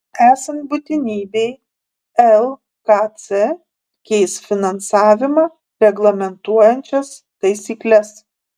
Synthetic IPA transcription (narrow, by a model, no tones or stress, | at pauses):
æːsɐnt̪bʊt̪ʲɪnʲiːbʲɛɪ | ɛlˠ | kɑt̪sʲɛ | kʲɛɪsfʲɪnɐnsɑːʋʲɪmɑː | ɾʲɛɡlˠɐmʲɛnt̪uɔjɛnʲt͡ʃʲɛs | t̪ɐɪsʲiːklʲɛs